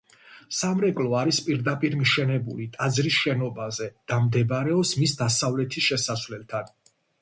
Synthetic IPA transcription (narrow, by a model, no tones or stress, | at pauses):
samɾɛkʼlɔaɾispʼiɾd̪apʼiɾmiʃɛnɛbulit̪ʼad̪zɾisʃɛnɔbazɛd̪̥amd̪ɛbɾɛɔpsmisd̪asavlɛt̪ʰisʃɛsasvlɛlˠt̪ʰan